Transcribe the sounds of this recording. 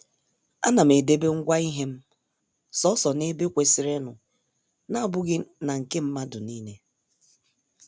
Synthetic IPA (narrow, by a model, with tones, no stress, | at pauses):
a̰˦na˨m̩˨e˨de˦be˦ŋ̩˦ɡʷa˦i˦ɦe˦m̩˦ | sɔ˦sɔ˨ne˦be˦kʷe˨si˨ɾe˦nʊ˨ | na˦˨bʊ˦ɡɪ˦na˨ŋ̩˨ke˦m̩˦ma˦dʊ˨niː˦ne˦